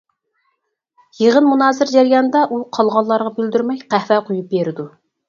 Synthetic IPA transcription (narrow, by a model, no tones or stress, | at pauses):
jeʁənmunɑːsɪɾd͡ʒæɾjɑnd̪ɑʔuqʰɑlˠʁɑlˠːɑɾʁɑbyld̪yɾmɛjqʰæhvɛqʰojup̚beɾɪd̪u